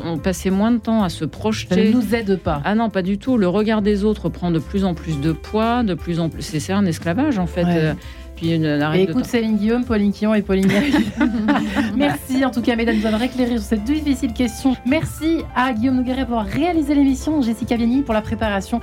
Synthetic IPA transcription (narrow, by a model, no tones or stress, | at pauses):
ɔ̃pasɛmwɛ̃d̪ət̪ɑ̃asəpχɔʃt̪aneənuzɛd̪paanɔ̃pad̪yt̪uləʁəɡaʁd̪ezot̪χəpχɑ̃d̪əplyzɑ̃plys̬d̪əpwad̪əplyzɑ̃pysɛsɛt̪ɛ̃nɛsklavaʒɑ̃fɛt̪ø | pɥiynnaʁɛekut̪selinɡʲijompɔlinkʲijɔ̃epɔlin | mɛʁsiɑ̃t̪ukamed̪anuzavaʁekleʁis̬yʁsɛt̪̚d̪iifisilkʲɛst̪jɔ̃mɛʁsiaɡʲijomnuɡaʁɛpuʁvwaʁːealizelemisjɔ̃ʒesikʲavjanipuʁlapχepaʁasjɔ̃